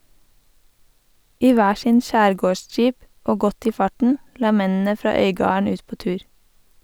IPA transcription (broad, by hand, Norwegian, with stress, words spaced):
ˈiː ˈʋæː ˈʃɪn ˈʃæːɾˌɡoːˌʃd͡ʒiːp ˈoː ˈɡɔt ˈiː ˈfɑʈɳ̩ ˈlɑː ˈmɛnn̩ə ˈfɾɑː ˈœʏɡɑːɳ̩ ˈʉːt ˈpoː ˈtʉːɹ